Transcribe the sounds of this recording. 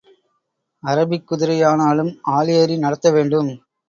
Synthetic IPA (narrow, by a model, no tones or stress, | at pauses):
ɐɾɐbɪkːʊðɪɾɐjaːnaːlɯmaːlɪjɐɾinɐɽɐt̪ːɐʋeːɳɖɯm